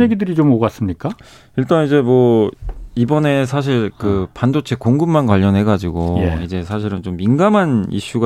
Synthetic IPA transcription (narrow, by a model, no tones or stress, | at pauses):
jeɡidɯɾit͡ɕomoɡas͈ɯmɲik͈a | iɭt͈anid͡ʑe̞mwʌ | ibʌne̞s̬ʰaɕ̬ʰiɭkɯpandot͡ɕʰe̞koŋɡɯmːankwaʎːʌnɦe̞ɡad͡ʑiɡojeid͡ʑe̞sʰaɕ̬ʰiɾɯnt͡ɕomːinɡamɦanḭɕ͈uɡa